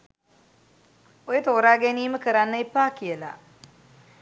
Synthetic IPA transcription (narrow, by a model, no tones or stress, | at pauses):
ojət̪oːɾaːɡeniːməkəɾanːəipːaːkijəla̰